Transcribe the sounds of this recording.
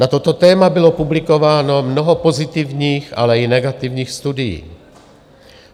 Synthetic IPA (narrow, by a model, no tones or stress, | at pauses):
nat̪ot̪o̞t̪ɛːmabɪlo̞publɪko̞vaːno̞mno̞ɦopo̞zɪt̪ɪvɲiːxa̰lɛɪnɛɡat̪ɪvɲiːxst̪udɪjḭː